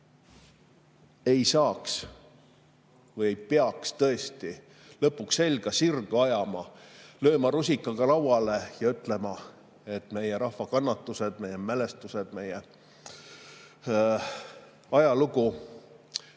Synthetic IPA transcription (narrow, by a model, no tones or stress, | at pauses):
e̞jsɑːks | vɤjejpeɑkst̪ɤ̞e̞st̪i | lɤpːˑuksːe̞lʲɡ̥ɑsirɡ̥uɑjɑmɑlø̞ːmɑɾusʲikːˑɑɡ̥ɑlɑwwɑle̞jɑyt̪ˑle̞mɑ | e̞t̪ːˑme̞jeɾɑhvɑkɑnːɑt̪ːˑuse̞d̪̥̚me̞jemele̞st̪used̪̥me̞je | ɑjɑluɡu